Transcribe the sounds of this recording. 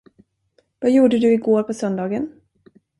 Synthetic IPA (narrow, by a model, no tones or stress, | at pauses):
vajuːɖəd̪ɵɪɡoːɾpʰɔsœnd̪ɑːɡən